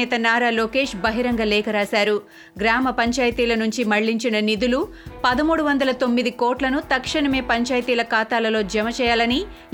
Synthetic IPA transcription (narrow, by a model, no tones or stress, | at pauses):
ɛːt̪ɐnaːɾaːloːke̞ːʂbɐɦiɾɐŋɡɐlɛːkɐɾaːsaːɾu | ɡɾaːmɐpɐɲt͡ʃaːjɐt̪iːlɐnuɲt͡ʃimɐɭːiɲt͡ʃinɐnid̪ulupɐd̪ɐmuːɽuʋɐnd̪ɐlɐt̪o̞mːid̪iko̞ːɾʈlɐnut̪ɐkʂɐɳɐme̞ːpɐɲt͡ʃaːjɐt̪iːlɐkaːt̪aːlɐlo̞ːd͡ʒɛmɐt͡ʃɛːjaːlɐni